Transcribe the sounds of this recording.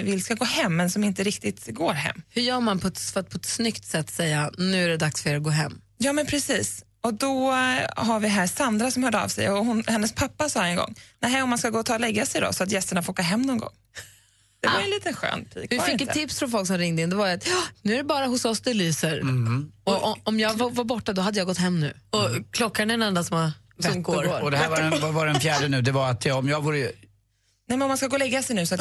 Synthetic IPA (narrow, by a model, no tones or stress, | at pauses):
vɪlskaɡoːhɛmːɛnsɔmɪnt̪əɾɪkt̪ɪt̪ɡoːɾɦɛ̰mːhɵjœːɾmanpʰɔɛt̪fat̪pʰɔɛt̪snʏkt̪sɛt̪ːsɛjːanʉ̟ːæɖɛd̪aksfœɾɛɾaɡoːɦɛmː | jɑːmɛnpʰɾɛsiːs | ɔd̪ɔɦaɾvɪɦæːsand̪ɾasɔmhœːɖəa̰vsɛ̰jɔhʊnhɛnːəspʰapːasɑːɛnɡɔ̰ŋːnæɦɛɔmːanskaɡoːt̪ʰɑːlɛɡːasɛjd̪ɔ̰sɔat̪jɛst̪əɳafoːɾɡoːɦɛmːnɔnɡɔ̰ŋː | d̪̥ɛvaɾɛnliːt̪ənɧø̰ːnpʰḭːkvɪfɪkːt̪t̪ʰːɪpsfɾɔnfɔlksɔmɾɪŋd̪əɪnd̪ɛvaɾat̪jɑnʉ̟ːæɾɛbɑːɾaɦʊsɔsd̪ɛlyːsəɾɔɔmjɑːɡvavaɾbɔʈːad̪ɔɦad̪ːəjɑːɡɔt̪hɛmːnʉ̟̰ːɔkʰlɔkːaɳɛɛnɛnd̪ansɔma | sɔmɡːɾɔd̪ɛvavavaɾɛnfjæːɖənʉ̟ːd̪ɛvaɾat̪jɔmjɑːɡvuːɾə | nɛmɛnɔmanskaɡoːlɛɡːasɛjnʉ̟ːsɔat̪